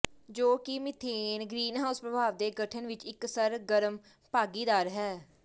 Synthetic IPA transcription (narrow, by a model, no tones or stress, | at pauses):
d͡ʒoːkɪmɪt̪ʰeːnɡɾiːnɦaːʊspɾəbʱaːʋd̪eːɡəʈʰənʋɪt͡ʃɪksəɾɡəɾəm | paːɡiːd̪aːɾɦɛː